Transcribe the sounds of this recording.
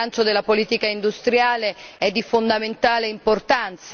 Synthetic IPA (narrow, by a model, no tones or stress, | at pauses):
ant͡ʃod̪elːapoliːt̪ikaind̪ust̪ɾjaːleɛd̪ːifond̪ament̪aːleimport̪ant̪s